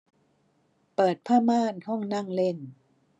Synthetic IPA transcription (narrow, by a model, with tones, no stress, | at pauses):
pɤː˨˩t̪̚pʰaː˥˩maː˥˩˨nhɔ˥˩ŋna˥˩˨ŋle˥˩n